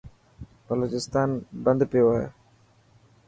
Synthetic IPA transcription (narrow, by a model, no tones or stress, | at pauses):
b̥əloːt͡ʃɪst̪aːnbə̃nd̪pɪjoɦḛː